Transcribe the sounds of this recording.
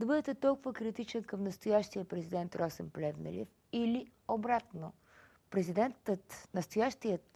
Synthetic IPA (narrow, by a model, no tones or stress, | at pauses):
d̪ɐbɤd̪ɛt̪ɛt̪ɔlˠkʊvəkɾit̪it͡ʃɛnkəmnɐst̪ojaʃt̪ijəpɾɛzid̪ɛnt̪ɾɔsɛnplɛvnə̰lḭf | iliobɾat̪no | pɾɛzid̪ɛnt̪ət̪nɐst̪ojaʃt̪ijət̪